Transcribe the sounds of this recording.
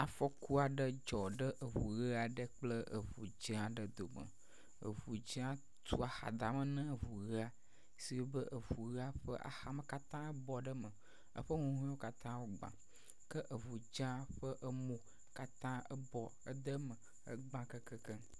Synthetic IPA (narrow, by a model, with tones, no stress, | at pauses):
a˨fɔ˦ku˦a˨ɖə˦d͡ʒɔ˨ɖə˦ʔə˨vu˨ɣə˦a˨ɖə˦k͡plə˦ʔə̰˨vu˨d͡ʒə̃˦a˨ɖə˨d̪o˨mə̰˨ | ə̰˨vu˨d͡ʒə̃˦a˦ | t̪u˦a˨xa̰˨d̪a˨mə̃˦nə̃˦ə˨vu˨ɣə˦a˨ | si˨wo˦bə˦ʔə˨vu˨ɣə˦a˦ɸə˦ʔa̰˨xa˨mə̃˨ka˦t̪ã˦ə˦bɔ˨ɖə˦mə˨ | ə̰˦ɸə˦ŋũ˦ɦũ˦wo˦ka˦t̪ã˦wo˦ɡ͡bã̰˨ | kə˦ʔə˨vu˨d͡ʒã˦ɸə˦ʔə˦mõ˨ | ka˦t̪ã˦ə˦bɔ˨ | ə̰˦d̪ə˦mə̃˨ | ə̰˦ɡ͡bã˦kə˦kə˦kə˦